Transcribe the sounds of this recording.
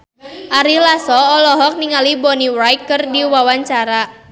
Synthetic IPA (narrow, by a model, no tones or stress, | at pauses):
ʔaɾilasɔɔlɔɦɔk̚niŋalibɔniwɾajkːɨrdiwawaɲt͡ʃaɾa